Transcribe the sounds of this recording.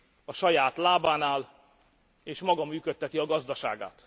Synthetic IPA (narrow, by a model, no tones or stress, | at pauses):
ɒʃɒjaːt̪laːbaːnaːl | eːʃmɒɡɒmyːkøt̪ːɛt̪iɒɡɒzd̪ɒʃa̰ːɡa̰ːt̪